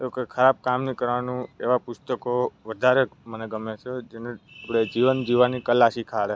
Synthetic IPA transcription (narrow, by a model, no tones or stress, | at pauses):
eokekʰəɾab̚kamnikəɾʋanũeʋapʊst̪əkoʋəd̪ʱaɾeməneɡəmet͡ʃʰed͡ʒeneapɽed͡ʒiʋənd͡ʒiʋanikəlasikʰaɽe